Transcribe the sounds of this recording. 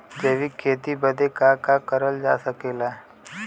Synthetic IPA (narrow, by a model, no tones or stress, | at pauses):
d͡ʒeːʋikʰeːt̪ibəd̪ekakakəɾəld͡ʒa̰ːsəkeːla